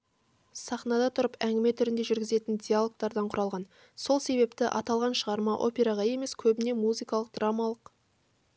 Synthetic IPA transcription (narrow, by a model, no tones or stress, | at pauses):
sɑχnɑd̪ɑt̪ʰʊɾəpæŋɡʲɪme̞t̪ʰʏɾɪnd̪e̞ʒʏɾɡʲɪze̞t̪ɪnd̪ʲijalˠo̞k̚t̪ɑɾd̪ɑɴqʰʊɾɑlˠʁɑn | so̞lˠse̞βe̞p̚t̪ɪʔɑ̰t̪ɑlˠʁɑnʃəʁɑɾmɑʔo̞̰pʲe̞ɾɑʁɑje̞me̞skʲʰɵbɪne̞muzijkɑlˠəq̚d̪ramɑlˠəq